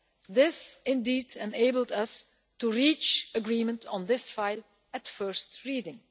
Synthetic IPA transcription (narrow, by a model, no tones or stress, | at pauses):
ðɪsɪ̃ndiːdɛ̃neɪbəl̩ˠdʌs | tuɹit͡ʃəɡɹiːmə̃ntɔ̃n̩ðɪsfaɪlˠ | ætfɜɹstɹiːdɪ̃ŋ